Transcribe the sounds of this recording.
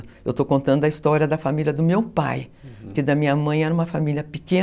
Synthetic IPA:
ewt̪okõnt̪ɐ̃nd̪ʊɐist̪ɔɾʲiɐd̪ɐfamilʲɐd̪ʊmewpa̰jpʊɾked̪ɐmĩɲɐmɐ̃j̃ɛnũmɐfamiljɐpikẽ

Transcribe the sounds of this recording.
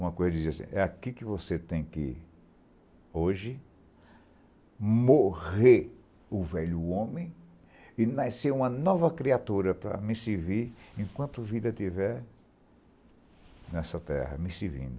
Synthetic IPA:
ũmɐkojzɐd̪iziasḭ̃ʔɛakikɪvoset̪ẽj̃kɪ̰ | oʒɪ | moʁheɾ | ʊvɛʎʊõmẽj̃ | ɪnaseũmɐnɔvɐkɾiat̪uɾɐpɾɐ̰misiviɾẽkwɐ̃nt̪ʊvid̪ɐt̪ivɛɾ | nɛsɐt̪ɛ̰hɐ̰mɪ̃sivḭ̃nd̪ʊ

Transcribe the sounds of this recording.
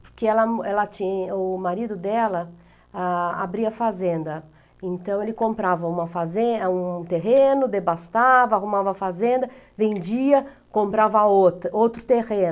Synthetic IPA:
po̥ɾkeɛlɐɛlɐt͡ʃĩɲʊmaɾid̪ʊd̪ɛlɐ | aa̰bɾiɐfazẽnd̪ɐ | ẽnt̪ɐ̃w̃elɪkõmpɾavɐũmɐfazẽũt̪eɦẽnʊd̪ebast̪avɐahumavɐːfazẽnd̪ɐ | vẽnd͡ʒiɐ | kõmpɾavɐot̪owt̪ɾʊt̪eʁẽn

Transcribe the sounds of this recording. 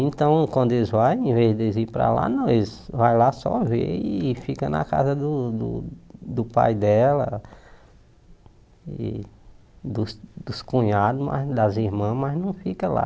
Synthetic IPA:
ẽt̪ɐ̃w̃kwɐ̃nd̪ʊelzvajẽvezd̪ezipɾa̰la̰nõezvajlasɔvḛifikɐna̰ka̰zɐd̪ʊd̪ʊ̰d̪ʊpa̰jd̪ɛlɐ̰ | ḭ | d̪ʊsd̪ʊskũɲad̪ʊma̰zd̪ɐziɾmɐ̃mɐznɐ̃w̃fikɐla̰

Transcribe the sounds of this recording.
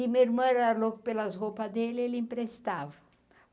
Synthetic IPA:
imeɾmɐɾalokʊpelazʁopɐd̪elelĩmpɾest̪avɐ

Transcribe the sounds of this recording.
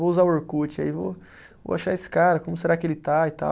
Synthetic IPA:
vouzaʊeɾkut͡ʃɪa̰ivo̰ | vo̰aʃaesɪ̥kaɾɐkõmʊs̬eɾakɪelɪt̪ait̪a̰

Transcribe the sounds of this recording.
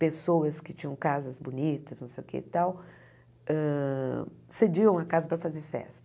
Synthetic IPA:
pesowɐskɪt͡ʃĩɲɐ̃w̃kazɐzbonit̪ɐsnɐ̃sḛjʊkḛt̪aw | ɛ̃ | sed͡ʒiɐ̃w̃ɐkazɐpɾɐfazeɾfɛ̰st̪ɐ̥

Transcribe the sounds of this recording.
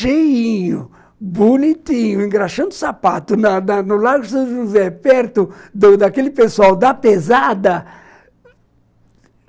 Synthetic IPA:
ʃejĩɲʊ | bonit̪ĩɲʊẽŋɡɾaʃɐ̃nd̪ʊsapat̪ʊnɐnɐnʊlaɡʊsɐ̃ʒuzɛpɛɾt̪ʊd̪ʊd̪akelɪpesuawd̪ɐpezad̪ɐ

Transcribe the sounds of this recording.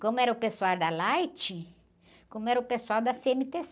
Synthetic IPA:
kõmʊɛɾɐʊpesuaɾd̪ɐlajt͡ʃɪ | kõmʊɛɾɐʊpesuawd̪ɐseẽnɪt̪es

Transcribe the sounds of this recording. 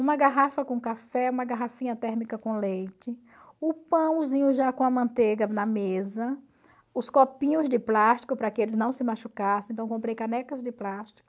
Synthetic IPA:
ũmɐɡaɦafɐkõkafɛũmɐɡaɦafĩɲɐt̪ɛɾmikɐkõlejt͡ʃɪ | ʊpɐ̃w̃zĩɲʊʒakõɐmɐ̃nt̪eɡɐnɐmezɐ | ʊskopĩɲʊzdɪplaʃt̪i̥kʊpɾɐkɪelɪznɐ̃w̃sɪmaʃukasẽɐ̃w̃kõpɾejkanɛkɐzd͡ʒɪplaʃt͡ʃ̪i̥kʊ̥

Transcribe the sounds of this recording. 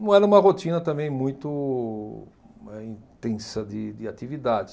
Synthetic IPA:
nɐ̃w̃ɛɾɐũmɐɦot̪ĩnɐt̪ɐ̃mbẽj̃mũj̃t̪ʊ | ɛĩt̪ẽsɐd̪ɪd̪ɪat̪ivid̪ad͡ʒɪ

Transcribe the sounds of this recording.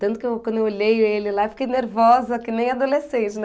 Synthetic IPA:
t̪ɐ̃nt̪ʊ̥kɪewkwɐ̃nd̪ʊewoʎejelɪlaewfi̥kejneɾvɔzɐkɪnẽj̃ad̪olesẽnt͡ʃɪn

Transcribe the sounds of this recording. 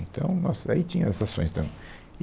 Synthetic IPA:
nt̪ɐ̰̃w̃nɔsait͡ʃĩɲɐ̃sasõj̃st̪ɐ̃

